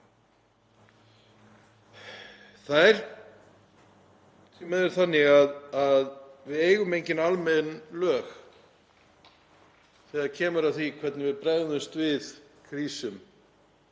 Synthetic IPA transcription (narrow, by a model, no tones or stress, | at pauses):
θajɾ̥ | simɛðʏɾ̥θanːɪɣaðaðvɪðejɣʏmejɲcɪnalmɛnlœːx | θɛːðaðcʰɛːmʏɾaðθvikʰvɛt̪nɪvɪðpɾɛðʏmst̪vɪð | kʰɾiːsʏm